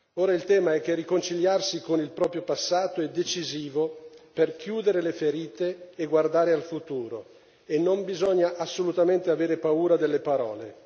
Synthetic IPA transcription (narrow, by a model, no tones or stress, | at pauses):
oːɾailt̪ɛːmaɛk̟ːerːikont͡ʃiʎjarsikonilpɾɔːpɾjopasːaːt̪oɛd̪ːet͡ʃiziːvoperkjuːd̪eɾelefeɾiːt̪eːɡward̪aːɾealfut̪uːɾo | enːombizɔɲːaʔasːolut̪ament̪eaveːɾepauːɾad̪elːepaɾɔːle